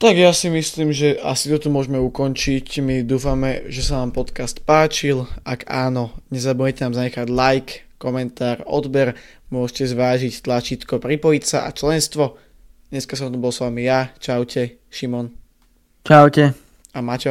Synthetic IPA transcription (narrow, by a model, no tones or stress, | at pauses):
t̪aɡjasimisliːmʒɛasit̪ɔt̪ɔmʊɔʒmɛukɔnt͡ʃicmid̪uːfamɛʒɛsanaːmpɔt̪kast̪paːt͡ʃilaɡaːnɔɲɛzabujɛcɛnaːmzaɲɛxaɟlajkkɔmɛnt̪aːɾɔ̰d̪bɛɾ | mʊɔʃcɛzʋaːʒict̪lat͡ʃiːt̪kɔpɾipɔjicsaʔa̰t͡ʃlɛnst̪ʋɔ | d̪ɲɛskasɔmt̪ɔbɔlsʋamijat͡ʃaʊcʰɛ | ʃimɔn | t͡ʃaʊcɛ | amaːcɛ